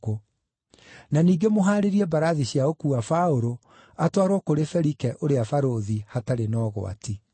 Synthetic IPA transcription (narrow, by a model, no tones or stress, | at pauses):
o | naniːɡemoɦaːɾeɾiɛbaɾaðiɕjaokuafaoɾo | atwaɾwɔkoɾefɛɾikɛʔoɾeafaɾoðihataɾenɔːɣo̰a̰ti